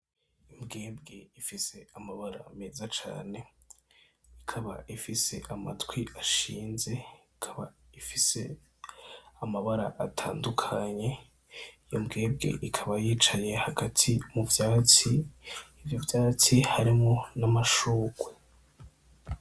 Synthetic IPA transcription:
imbɡe̞ːbɡe̞ifise̞amaβaɾa̰meːzat͡ʃa̰ːne̞ | ikʰaβa̰ʔifise̞ʔama̰twiaʃiːnze̞ikʰaβaifise̞̰ | amaβaɾa̰ʔatʰaːndukʰaɲe̞ | ijombɡe̞ːbɡe̞̰ʔikʰaβajiːt͡ʃaje̞haɡatʰimuvjaːt͡siː | vjovjaːt͡sihaɾimŋonamaʃuːkwe

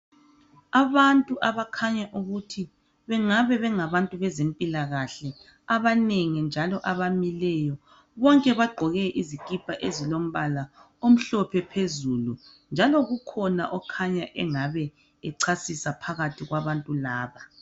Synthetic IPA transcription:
aβantʼuʔaβakʰaɲaʔuɣutʰi | βɛŋaβɛβɛŋaβantʼuβɛzempʼilaɣaɬɛ | aβaneŋɛnd͡ʒʱalɔʔaβamilɛjɔ | βɔŋkʼɛβaɡ͡ǃʱɔɣɛʔizikʼipʼaʔezilom̩βala | om̩ɬɔpʰɛpʰezulu | nd͡ʒʱalɔɣukʰɔna̰ʔɔkʰaɲaʔɛŋaβɛ | ɛǀʰasisapʰaɣatʰiɣwaβantʼulaːβa

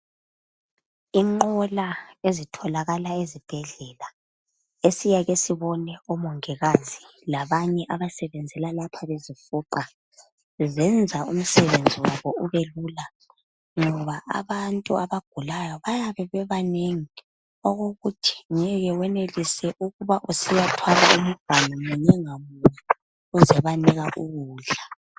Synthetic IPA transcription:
iŋ͡ǃɔlaezitʰɔlaɣalaezib̥ʱɛɮɛla | esijaɣesiβɔnɛɔmɔŋɛɣazi | laβaɲɛʔaβasɛβɛnd͡zʱɛlalapʰaβezifuːǃa | zɛnd͡zʱaṵm̩sɛβend͡zʱiwaβɔuβeluːla | ŋɔβaʔa̰βantʼuaβaɡ̥ʱulajɔβajaβɛβɛβaneŋi | ɔɣoɣutʰi̥ɲɛɣɛwɛnelisɛʔuɣuβaʔusijatʰwala̰ʔum̩ɡ̥ʱwalɔŋuɲɛŋamujɛ | uzɛβaniɣaʔuɣuːɮa

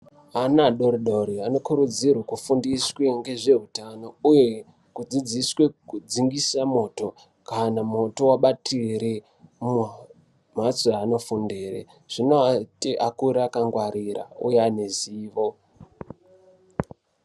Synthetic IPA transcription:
anaɗoɾiɗo̞ɾiano̞kuɾud͡zirwakufundiswe̞ŋɡe̞ʐe̞ɦutano̞uje̞ | kud͡zid͡ziswekud͡ziŋɡisamo̞ːto̞ | kanamo̞to̞waɓatʰiɾe | m | m̤at͡soano̞fundeːrḛ | ʐ̥inoatiʔakuɾaːkaŋɡwaɾira̰ṵjaneziːʋo̞

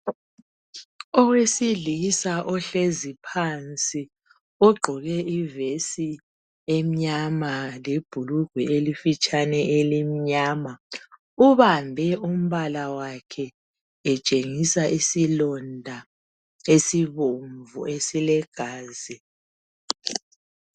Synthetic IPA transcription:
ɔɣwesilisaʔɔɬezipʰant͡sʼi | ɔɡ͡ǃʱɔɣɛivesi | em̩ɲamaleb̥ʱuluɡ̥ʱwielifit͡ʃʼanɛʔelimiɲaːma | uβambʱɛum̩βalawakʰɛː | t͡ʃʼeŋisaʔisilɔndʱa | esiβoɱvuesilɛɡ̥ʱaːzi

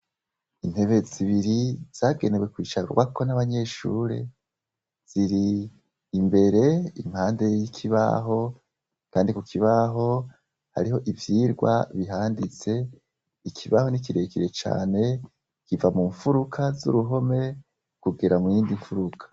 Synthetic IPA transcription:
in̥he̞βe̞ziβiɾiz̥aːɡe̞newe̞kwiːt͡ʃaɾwako̞naβaɲe̞ʃṵːɾe̞̰ | z̥iɾiː | mbe̞ɾe̞imhaːnde̞jikʰiβa̰ɦo̞ | kaːndikukʰiβaɦo̞ | ha̰ɾiho̞ʔivjiːɾɡwa̰βiɦaːndit͡se̞ | ikʰiβaho̞nikiɾe̞kiɾe̞t͡ʃa̰ːne̞ | kivamuɱfuɾukʰazṵɾuɦo̞me̞ | kuɡeɾamwiːndiɱfuɾukʰḁ

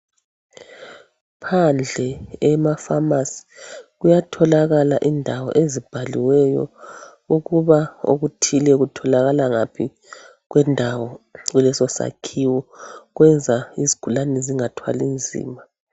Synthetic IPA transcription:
pʰand͡ɮʱɛɛmafamasi̥ɣujatʰɔlaɣalaʔindʱawɔ̰ʔezib̥ʱaliwɛjɔ̰ | uɣuβao̰ɣutʰilɛɣutʰɔlaɣalaŋapʰi | ɣwɛndʱawɔɣulɛsɔsa̰kʰiwɔɣwɛnd͡zʱaiziɡ̥ʱulanɛziŋatʰwa̰lind͡zʱḭːma

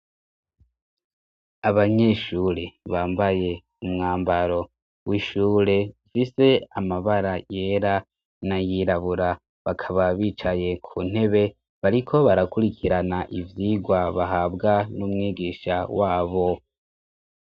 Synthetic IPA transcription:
aβaɲe̞ʃuɾeβaːmbaje̞ | umŋaːmbaɾo̞ | wiʃuːɾe̞fise̞amaβaɾaje̞ɾa | najiːɾaβuɾa | βakʰaβaβiːt͡ʃaje̞kʰuːn̥e̞βe̞ | βaɾikʰo̞βaɾakuɾikʰiɾanaʔivjiːɡwaβaɦaːbɡanumŋiːɡiːʃawaːβo̞

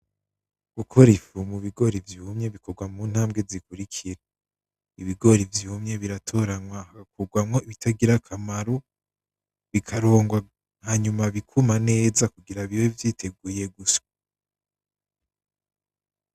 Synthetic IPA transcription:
ɡ̥ukʰo̞ɾifumuβiɡo̞ɾivjumɲe̞βiko̞ɾɡwamun̥haːmbɡe̞zikuɾikʰiɾe | iβiɡo̞ɾivjuːmɲe̞βiɾatʰo̞ɾanwahakakuɡwamŋo̞iβitʰaɡiɾakʰamaɾo | βikʰaɾo̞ːŋɡwa | haːɲumaβikʰumane̞ːzakuɡiɾaβiwevjiːtʰe̞ɡuje̞ɡusḁ

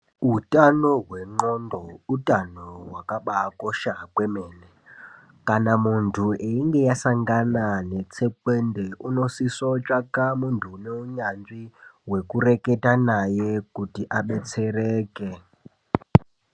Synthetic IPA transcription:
utʼanoɦweŋ͡ǃɔndɔutʼanoɦwakaɓakoʃakwemeːne | kanamuntʰueiŋɡejasaŋɡananet͡sʰɛkwendeʔunosisot͡ʃʼakamuntʰuneuɲand͡ziwekureketanajekutiʔaɓet͡serɛːke

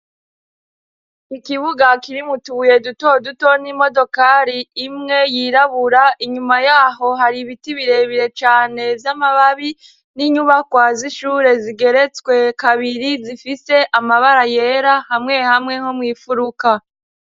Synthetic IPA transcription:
ikiβuɡakiɾimutuβuje̞duto̞duto̞nimo̞do̞kaɾiːmŋe̞jiɾaβuɾaʔiɲumajaːɦo̞ɦaɾiβitiβiɾe̞βiɾe̞t͡ʃaːne̞vjamaβaβi | niɲuβakwaziʃuːɾe̞ziɡe̞ɾe̞t͡skwe̞kaβiɾizifise̞ʔamaβaɾajeːɾahamŋe̞hamŋe̞ho̞mŋiːfuɾuka

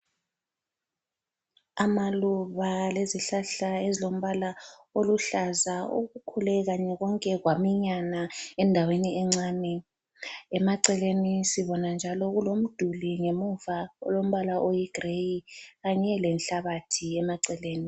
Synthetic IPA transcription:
amaluβaleziɬaɬaezilom̩βalaoluɬazaṵɣukʰulɛɣaɲɛɣɔŋkʼɛɣwamiɲanaɛndʱaweniɛŋ͡ǀaːnɛ | ɛmaǀɛlenisiβɔnand͡ʒʱalɔɣulom̩d̥ʱuliŋemuvaɔ̰lom̩βalaʔojiɡ̥rejiɣaɲɛlɛnɬaβatʰiɛmaǀɛleːni

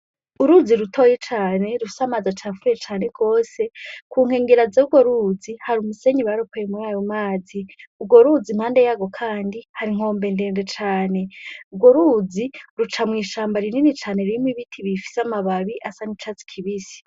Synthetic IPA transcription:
uɾud͡ziɾutʰojet͡ʃaːne̞ɾufi̥samazat͡ʃafuɾet͡ʃaːne̞ɡ̥o̞ːse̞kʰuːŋ̥he̞ːŋɡeɾazeuɡwoɾuzihaɾumuse̞ɲiβaɾopojemuɾaːjo̞maːziuɡwo̞ɾud͡zim̥aːnde̞jaːɡo̞kʰaːndihaɾiŋ̥o̞ːmbe̞nde̞ːnde̞t͡ʃaːne̞uɡwo̞ɾuziɾut͡ʃamwiːʃaːmbaɾininit͡ʃaːne̞ɾimwiβitʰiβifi̥samaβaβiʔasanit͡ʃat͡si̥kʰiβisi̥

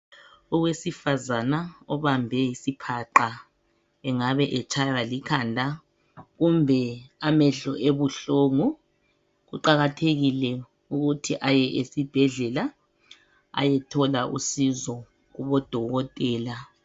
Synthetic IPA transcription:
ɔɣwesifazanaɔβambʱɛjisipʰaǃa | ɛŋaβɛʔɛt͡ʃʰajwalikʰaːndʱa | ɣumbʱɛamɛɮɔʔeβuɬoŋu | ɣuǃaɣatʰeɣilɛ | uɣutʰiʔajɛʔesib̥ʱɛɮɛla | a̰jɛtʰɔlaʔṵsizɔ | ɣuβɔd̥ʱɔɣɔtʼɛːla

